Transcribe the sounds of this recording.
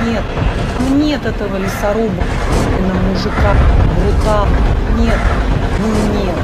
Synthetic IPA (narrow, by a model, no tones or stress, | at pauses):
nʲet̪ | mnʲet̪ɛt̪əvəlʲɪsɐɾobək | ist̪vʲɪnːəmuʐɨkaxbrʊt̪alˠnʲet̪nɨmnʲe